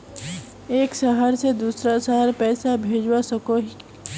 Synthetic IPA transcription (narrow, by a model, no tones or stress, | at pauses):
eːkʃəɦəɾsed̪uːsɾasaɦəɾpɛːsabʱeːd͡ʒwasəkoɦi